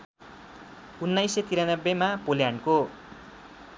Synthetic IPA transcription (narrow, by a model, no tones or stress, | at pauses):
unːajset̪iɾanʌbːemapoljanko